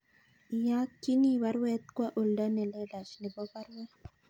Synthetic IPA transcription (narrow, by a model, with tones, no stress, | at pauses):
ja˦kːi˦ni˦wa˦ɾwɛ˦t̪̚kwa˦ʔo˨lda˦nɛ˨lɛ˦la˨t͡ʃni˨bɔ˦ba˦ɾwɛ˦